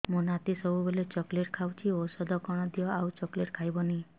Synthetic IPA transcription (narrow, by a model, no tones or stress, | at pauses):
mũnat̪isɔbubelet͡ʃɔkleʈkʰawt͡ʃʰiosɔd̪ʱɔkɔɽ̃ɔd̪ijɔawt͡ʃɔkleʈkʰajbɔni